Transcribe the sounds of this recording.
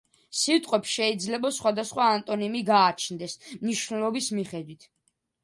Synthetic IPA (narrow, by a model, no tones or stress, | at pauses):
sit̪ʼqʼwɛpsʃɛid̪zlɛbasχwad̪asχwaːnt̪ʼɔnimiɡaːt͡ʃʰnd̪ɛsmniʃnɛlɔbismiχɛd̪wit̪ʰ